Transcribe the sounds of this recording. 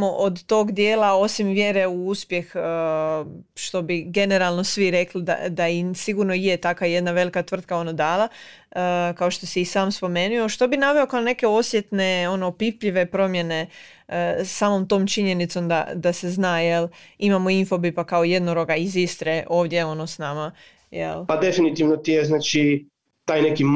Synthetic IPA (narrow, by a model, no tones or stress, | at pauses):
oʔod̪t̪o̞ːɡd̪jeːlao̞simʋje̞ɾe̞uuspje̞x | ʃt̪o̞biɡe̞ne̞ɾalˠno̞sʋiɾe̞klid̪a̰d̪aisiɡuːɾnoijet̪akaje̞d̪naʋe̞likat̪ʋr̩t̪̚kao̞nod̪aːlˠa | kao̞ʃt̪o̞sɛisaːmspo̞me̞nujo̞ʃt̪o̞binaʋeo̞kaone̞ke̞o̞sje̞t̪ne̞o̞noːpipʎiʋe̞pɾo̞mje̞ne̞ | sːaːmo̞mt̪o̞ːmt͡ʃiɲe̞nit̪so̞md̪a̰d̪ase̞znaːjelimamo̞info̞bipakao̞je̞d̪noɾo̞ɡaizist̪ɾeʔo̞ːʋd̪jeo̞nosnama | jḛlpad̪efinit̪iʋnot̪ijeznaːt͡ʃi | t̪aːjneki